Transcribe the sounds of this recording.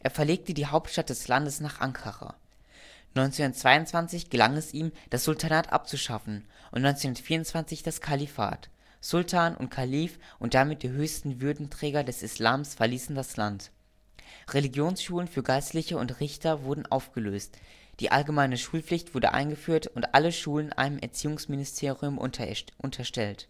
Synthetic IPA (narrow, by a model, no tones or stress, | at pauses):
ʔeːɐfɛɐleːk̚tədiːɦaʊp̚tʃtat̚d̥ɛslandəsnaːχʔa̰ŋkʰaʁa̰ː | nɔʏnt͡seːhʊndɐt͡sv̥aɪʊntt͡sv̥ant͡sɪçɡ̥əlaŋɛsʔiːmd̥asz̥ʊltʰanaːtʔa̰p̚t͡suʃafn̩ʔʊntnɔʏnt͡senhʊnɐtfiːɐʊntt͡sv̥ant͡sɪçd̥askʰalifa̰ːt | z̥ʊltʰaːnʔʊ̰ntkʰaliːfʔʊnt̚d̥amɪt̚d̥iːɦøːçstn̩vʏɐdn̩tʁ̥ɛːɡɐdɛsɪslaːmsfɛɐliːsn̩daslant | ʁeliɡjoːnsʃuːlənfyːɐɡaɪstlɪçəʊ̰ntʁɪçtʰɐvʊɐdn̩ʔa̰ʊfɡ̥əløːst | d̥ḭːʔa̰lɡəmaɪnəʃuːlp͡flɪçtv̥ʊɐɾə̰ʔa̰ɪnɡəfyːɐtʊntʔaləʃuːlənʔa̰ɪnəmʔɛ̰ɐt͡siːʊŋsmɪnɪstʰeːʁiʊmʔʊntʰɐʃtɛlt